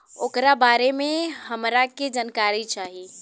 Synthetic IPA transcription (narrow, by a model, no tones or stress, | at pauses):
oːkɾabaɾemeɦəmɾaked͡ʒənkaɾit͡ʃaːɦi